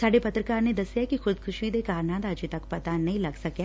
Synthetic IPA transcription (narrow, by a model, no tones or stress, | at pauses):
saːɖepɐt̪ɾəkaːɾned̪ɐsjakixʊd̪kʰʊʃid̪ekaːɾnãːd̪aːd͡ʒet̪ɐkpɐt̪anɐɦĩlɐɡsɐkja